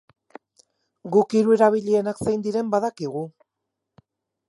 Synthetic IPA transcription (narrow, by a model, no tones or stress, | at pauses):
ɡukiɾue̞ɾaβ̞iʎie̞naksajnd̪iɾe̞mbaðakiɣ̞u